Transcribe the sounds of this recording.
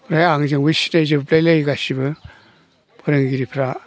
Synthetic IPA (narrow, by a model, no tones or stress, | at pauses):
ɾajaŋzɯŋbɯsinajzɯbplajlajɡasibɯ | pʰaɾɯŋɡiɾipʰɾa